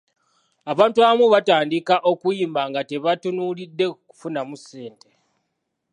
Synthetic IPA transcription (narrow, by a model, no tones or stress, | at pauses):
aβaːntuaβamuβataːndikaʔo̞kujiːmbaŋɡate̞βatunulidːe̞ku̥funamuse̞ːnte